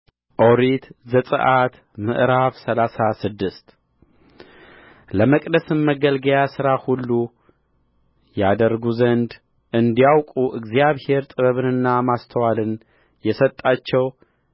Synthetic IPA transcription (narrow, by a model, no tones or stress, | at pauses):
ʔoɾit̪zəsʼɨ̰ʔat̪ | mɨ̰ʔɾaβsəlasasɨd̪ːɨst̪ | ləməkʼd̪əsɨmməɡəlɡəjasɨɾahulːu | jad̪əɾɡuzənd̪ | ʔɨnd̪ijawkʼuʔɨɡzijaβhe̞ɾt̪ʼɨβəβɨnɨnːamast̪ʰəwalɨn | jɛsət̪ʼːat͡ʃːɛw